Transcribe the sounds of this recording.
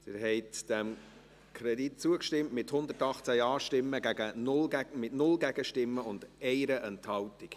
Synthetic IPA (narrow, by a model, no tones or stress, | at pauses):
d̥ɪɾɦɛɪtd̥ɛm | kʰɾɛdit̚t͡suəkʃtɪmtmɪthʊnd̪ətɑχt͡sæjɑːʃtɪmːəɡæɡ̥ənʊlmɪtnʊlɡæɡ̥əʃtɪmːəʊnd̥ɛɪɾəʔɛnthɑwtɪk